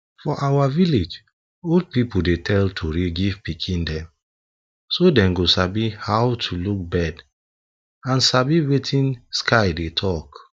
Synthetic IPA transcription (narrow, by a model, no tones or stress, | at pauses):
fɔʔawaviled͡ʒ | old̚pipodetʰɛltʰuɹiɡivpikʰĩndɛ̃m | sodɛ̃mɡosabihawtʰuluk̚bɛd | ãnsabiwetʰĩnskʰaɪdetʰɔk